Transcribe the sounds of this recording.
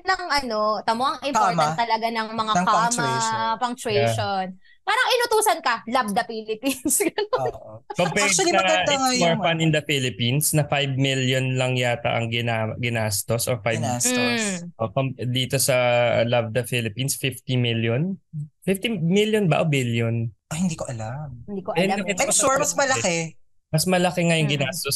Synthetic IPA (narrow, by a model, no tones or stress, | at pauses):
nɐŋʔɐno̞t̪ɐmoʔɐŋʔɪmpotɐntt̪ːɐlɐɡanɐŋmɐŋakampɐŋt͡ʃeʃon | paːɾɐŋɪnʊt̪uːsɐnkɐlɐbd̪ɐfiːlɪpinsɡɐnonpɐpɛɐmoɹfanɪnd̪ɐfilɪpinsnɐfajb̚miljonlɐŋjaːt̪ɐ̰ʔɐŋɡɪnaɡɪnast̪osʔofajbasosʔoʔpɐmd̪iːt̪osɐlɐb̚d̪ɐfilɪpinsfɪft̪imiljonfift̪imiljonbɐʔobiljonʔohɪnd̪iːkoʔɐlamɪnd̪iːkoʔɐɛt̪ɛsoɹmɐsmɐlɐkɛ | mɐsmɐlɐkɛŋɐjʊŋɡɪnast̪os